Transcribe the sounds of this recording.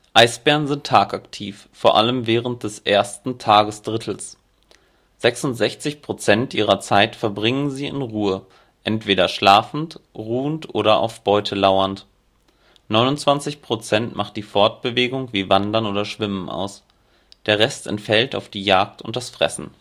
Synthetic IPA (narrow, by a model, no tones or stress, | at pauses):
ʔaɪsb̥ɛɐnzɪntʰːaːkaktʰiːf | foːɐʔaləmvɛːʁənt̚d̥ɛsʔeːɐstn̩tʰaːɡəsd̥ʁɪtʰl̩s | z̥ɛksʊntz̥ɛçt͡sɪçpʁ̥ot͡sɛntʔiːʁ̞ɐt͡saɪtfɛɐbʁɪŋənziːɪ̰nʁuːə | ʔɛntv̥eːɾɐʃlaːfn̩tʁuːəntʔoːɾɐʔa̰ʊfb̥ɔʏtʰəlaʊɐnt | nɔʏnʊntt͡sv̥ant͡sɪçpʁ̥ot͡sɛntmaχt̚d̥iːfɔɐt̚b̥əveːɡʊŋviːvandɐnoːɾɐʃv̥ɪmənʔa̰ʊs | d̥eːɐʁɛstɛ̰ntfɛlta̰ʊfd̥iːjaːk̚tʊ̰nt̚d̥asfʁ̥ɛ̰sn̩